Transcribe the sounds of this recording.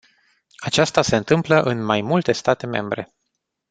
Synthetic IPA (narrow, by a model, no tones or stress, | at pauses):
at͡ʃast̪ase̞ɨnt̪ɨmpləʔɨnmajmult̪e̞st̪at̪e̞me̞̰mbɾe̞̰